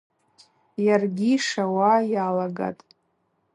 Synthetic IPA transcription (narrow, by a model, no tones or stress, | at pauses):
jarɡʲiʂawajalaɡa̰tʼ